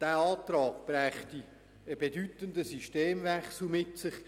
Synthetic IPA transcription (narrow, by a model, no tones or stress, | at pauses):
d̥æːɑːtrɑːɡ̥b̥ræːχti | əbedytəndəsiʃteːmvɛksl̩mɪtsɪχ